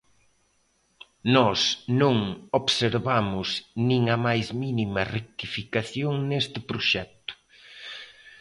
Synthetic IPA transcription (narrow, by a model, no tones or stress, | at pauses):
nɔsnõŋoβseɾβamʊsnĩŋɐmajzminimɐrek̚t̪ifikaθjoŋnest̪ɪpɾoʃɛk̚t̪ʊ̥